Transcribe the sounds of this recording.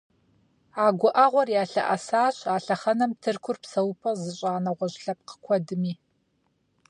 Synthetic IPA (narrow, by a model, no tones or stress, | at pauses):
aːɡʷʊʔɐʁʷɔrjaːɬɐ̰ʔɐsaːɕaːɬɐχɐnɐmtʰɨrkʷʰʊrpsɐwpʰɐzɨɕʼaːnɐʁʷɔɕɬɐp̚qə̥kʷʰɔdɨmiː